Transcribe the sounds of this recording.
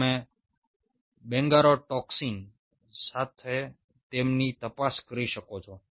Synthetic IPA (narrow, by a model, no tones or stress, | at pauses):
me | bɛ̃ŋɡaɾoʈɔksin | sat̪ʰe | t̪emnit̪əpaskəɾiʃəkot͡ʃʰɔ